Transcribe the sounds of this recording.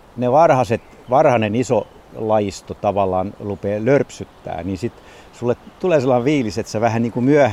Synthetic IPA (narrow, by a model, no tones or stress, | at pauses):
neʋɑrhɑset̪ | ʋɑrhɑneniso | lɑist̪ot̪ɑʋɑlːˑɑːnrupeːlørpsyt̪ːæ̰ːniːsit̪ | sulːet̪t̪uleːselːɑiʋʋiːliset̪seʋæhænniːŋkumyæh